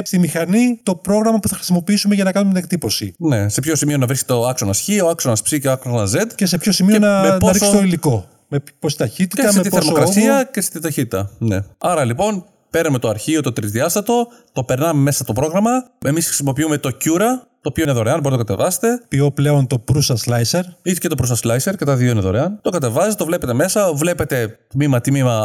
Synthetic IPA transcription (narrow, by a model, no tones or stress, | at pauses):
st̪imixɐnit̪o̞pɾo̞ɣɾɐmɐpuθɐxɾi̥simo̞piisume̞ʝɐnɐkɐnumet̪inek̚t̪ipo̞sḭne̞se̞pço̞simio̞nɐvɾiske̥t̪oɐksonɐsçioɐksonɐspsiceɐksonɐzet̪cese̞pçosimioenɐmenpoɐɾisksst̪oiliko̞ | meposi̥t̪ɐçit̪it̪ɐst̪iθeɾmoɾɐsiɐcest̪it̪ɐçit̪it̪ɐne̞ɐɾɐlipo̞n | pe̞ɾme̞t̪oɐɾçio̞t̪o̞t̪ɾizðiɐst̪ɐt̪o̞ | t̪o̞pe̞ɾnɐmeme̞sɐt̪o̞pɾo̞ɣɾɐmɐe̞misxɾi̥simo̞piume̞t̪o̞cuɾɐt̪oːpioineðoɾeɐnboɾit̪okɐt̪e̞̰vɐse̥t̪e̞pio̞ple̞o̞nt̪o̞pɾusɐslɐjseɾit̪ece̞t̪o̞pɾusɐslɐjse̞ɾce̞t̪ɐðio̞ineðo̞ɾeɐnt̪o̞kɐt̪e̞vɐset̪et̪ovle̞pe̞t̪e̞me̞sɐvle̞pe̞t̪e̞t̪mimɐt̪mimɐ